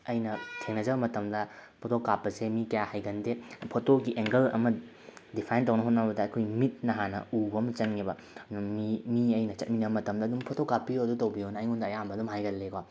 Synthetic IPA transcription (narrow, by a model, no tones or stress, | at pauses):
ɐjnɐtʰeŋnɐd͡ʒɐbɐmɐtɐmdɐpʰotʰokːapːɐsemikɐjahajɡɐndepʰotoɡiʔeŋɡɐlɐ̰mɐ | dipʰajntɐwnɐɦot̚nabɐdɐːjkʰojmit̚nɐɦanɐ̰ubɐmɐt͡ʃɐŋːibɐ | mimiɐjnɐt͡ʃɐt̚minɐbɐmɐtɐmdɐːdumpʰotʰokːapːioɐdutɐwbionɐːjŋundɐɐjambɐːdumɦajɡɐlːekwa